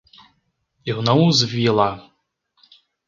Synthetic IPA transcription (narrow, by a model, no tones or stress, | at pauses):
iwnɔwzvʲilˠa